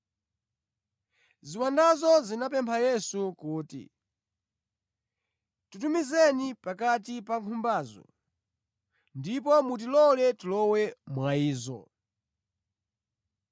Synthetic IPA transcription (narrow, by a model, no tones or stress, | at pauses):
ziwandazɔzinapɛmpʰajɛsukuːtḭ | tutumizɛnipakat̬ipaŋkʰumbaːzɔ̰ | ndip̬ɔmut̬ilɔlɛtilɔwɛmwaiːzɔ̰